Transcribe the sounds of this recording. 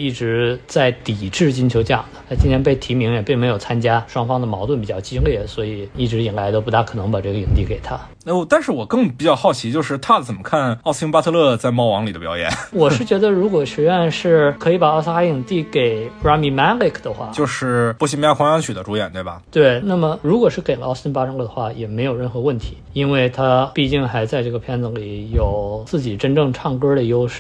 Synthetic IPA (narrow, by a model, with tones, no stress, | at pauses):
i˥˩ʈ͡ʂɻ̩˧˥t͡sa˥˩ɪt̪i˨˩ʈ͡ʂɻ̩˥˩t͡ɕi˥nt͡ɕʰjo˧ʊʈ͡ʂɤ˥˧jɑ̰˥˩ŋ˩d̪ə˩t̪ʰa˥˩t͡ɕi˥nt̪ʰjɛ˥npe˥˩ɪt̪ʰi˧˥mi˧˥ŋjɛ˨˩pi˥˩ŋme˧˥ɪjo˨˩ʊt͡sʰa˥nt͡ɕja˥ʂwɑ˥ŋfɑ˥ŋd̪ə˨mɑ˧˥ʊwə˥˩np̬i˨˩t͡ɕjɑ˥˩t͡ɕi˥ljɛ˥˩swɔ˧˥i˨˩i˥˩ʈ͡ʂɻi˨˩ŋla˧˥ɪt̪o˥ʊpu˧˥t̪ʰa˥˩kʰɤ˨˩nɤ˧˥ŋpa˨˩ʈ͡ʂɤ˥˩ɡə˩i˨˩ŋt̪i˥˩ke˨˩ɪt̪ʰa˥ | o˥˧t̪a˥˧nʂɻ̩˥˩wɔ˨˩kɤ˥˩ŋpi˨˩t͡ɕjɑ˥˧ʊxɑ˥˩ʊt͡ɕʰi˧˥t͡ɕjo˥˧ʊʂɻ̩˥˧t̪ʰa˥˧t͡sə˨˩nmə˦kʰa˥˩nɑ˥˧ʊsi˥ŋpa˥ɤ˥˧lɤ˥˧t͡sa˥˧ɪmɑ˥˩ʊwɑ˧˥ŋli˨˩d̪ə˦pjɑ˧˥ʊjɛ̰˧˥nwɔ˨˩ʂɻ̩˥˩t͡ɕɥɛ˧˥d̪ə˧ɻu˧˥kwɔ˨˩ʂ̩˧˥ɛ˥˧nʂɻ̩˥˩kʰɤ˧˥i˧˥pa˨˩ɑ˥˧ʊsa˥i˨˩ŋt̪i˥˩ke˨˩ɪpɹa˥mi˧˥ma˥li˥˩kʰd̪ə˨xwa̰˥˩t͡ɕjo˥˧ʊʂɻ̩˥˩pu˥˩ɕi˧˥ŋmja˥kʰwɑ˧˥ŋɑ˥ŋt͡ɕʰy˨˩d̪ə˦ʈ͡ʂu˧˥jɛ̰˨˩nt̪we˥˩ɪbɐ̰˩t̪we˥˩ɪna˥˩mə˩ɻu˧˥kwɔ˨˩ʂɻ̩˥˩ke˨˩lə˦˧˥si˥ŋpa˥tʰlɤ˥˩d̪ə˨xwa˥˩jɛ˨˩me˧˥ɪjo˨˩ʊɻə˥˩nxɤ˧˥wə˥˩nt̪ʰi̥̰˧˥i˥nwe˥˩ɪt̪ʰa˥pi˥˧t͡ɕi˥˩ŋxa˧˥ɪt͡sa˥˧ɪʈ͡ʂɤ˥˩ɡə˩pʰjɛ˥nt͡sɤ˧˥˩ŋli˨˩˦jo˨˩ʊt͡sɹ̩˥˩t͡ɕi˨˩ʈ͡ʂə˥nʈ͡ʂɤ˥˧ŋʈ͡ʂʰɑ˥˩ŋkə˥d̪ə˨jo˥ʊʂɻ̩˥˩